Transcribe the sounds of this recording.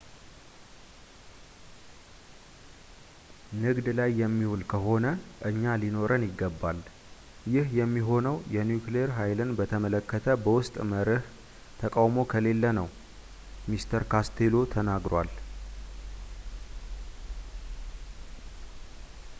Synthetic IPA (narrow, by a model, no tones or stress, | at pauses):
nɨɡd̪lajːɛmːihulkʰəɦo̞nəʔɨɲːalino̞ɾʔənjɪɡːəbːal | jɪhjɛmːiɦo̞nəwjɛnjukleeɾɦajlɨnbət̪ʰəmələkːət̪ʰəbəwʊst̪ʼməɾɨh | t̪ʰəkʼawmo̞kʰəle̞lːənəw | mist̪ʰəɾkʰast̪ʰelot̪ʰənaɡɾal